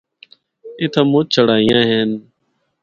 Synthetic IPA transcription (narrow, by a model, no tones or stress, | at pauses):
et̪ʰãːmũːt͡ʃʰəɽaːĩjãːɦeːn